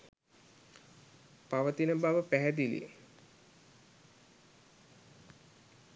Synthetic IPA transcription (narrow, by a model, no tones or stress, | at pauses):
paʋət̪inəbaʋəpæɦæd̪ilḭ